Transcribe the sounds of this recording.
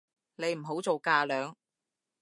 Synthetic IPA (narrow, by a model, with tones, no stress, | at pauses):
ne˨˧jm̩˨˩ɦo˨˥wt͡so˨wkaː˧lœː˨˧ŋ